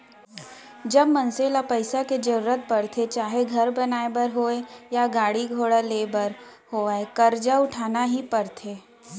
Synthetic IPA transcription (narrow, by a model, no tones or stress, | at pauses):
d͡ʒɐbmɐnseːlapɐɪsaked͡ʒɐɾuːɾət̪̚pɐɾt̪ʰet͡ʃaːɦeɡʱɐɾbɐnaːebəɾɦoːejaɡaːɽiɡʱoːɽaleːbəɾ | hoːaekɐɾd͡ʒaʊʈʰaːnaɦipɐɾt̪ʰeː